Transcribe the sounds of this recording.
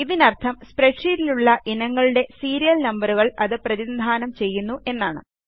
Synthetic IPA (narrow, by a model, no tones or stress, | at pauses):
iðinɐrt̪ʰɐmspreʈʂiɾiluɭːɐʔinɐŋːɐɭuɽe̞siːɾijɐlnɐmbɐruɣɐɭɐðɨprɐðind̪ʱaːnɐmt͡ɕe̞jːunːuʔe̞nːaːɳɨ̰